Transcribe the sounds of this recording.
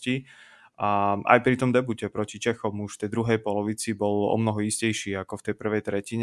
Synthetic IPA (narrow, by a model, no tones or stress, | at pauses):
ci | aʔa̰jpɾit̪ɔmd̪ɛbucɛpɾɔcit͡ʃɛxɔmuʃft̪ɛjd̪ɾuɦɛjpɔlɔʋit͡sibɔlɔ̰mnɔɦɔiscɛjʃiːakɔft̪ɛjpr̩ʋɛjt̪ɾɛciɲɛ